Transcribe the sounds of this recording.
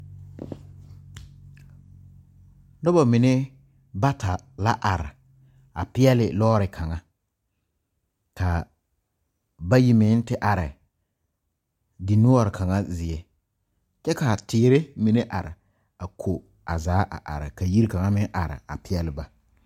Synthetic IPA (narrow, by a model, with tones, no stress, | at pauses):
nʊ˦ba˨mɪ˨ne˦ | ba˦ta˨ | la˦ʔa˨ɾɪ̰˨ | a̰˨pɪ˦ɛ˦lɪ˨lɔː˦ɾɪ˨kʰa˨ŋa˦ | ka˨ | ba˦ji˦mɪ˨˦n˦tɪ˦ʔa˨ɾɪ̰˨ | di˨nʊ˦a˨ɾɪ˨kʰa˨ŋa˦zɪ˨ɛ˨ | t͡ʃɛ˦ka˨tɪː˨˦ɾɪ˦mi˨ne˦ʔa̰˨ɾɪ̰˨ | a˨kʰo˨ | a˨zaː˨˦ʔa̰˨ʔa̰˨ɾɪ̰˨ka˨ji˦ɾi˦ka˨ŋa˦mɪ˦ʔa˨ɾɪ̰˨a̰˨pɪ˦ɛ˦lɪ˦ba˨